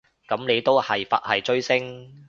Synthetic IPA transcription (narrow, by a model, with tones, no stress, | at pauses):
kɐ˨˥mne˨˧jt̪o˥whɐ˨jfɐ̰˨˥t̚hɐ˨jt͡ʃɵ˥ɥsɪ˥ŋ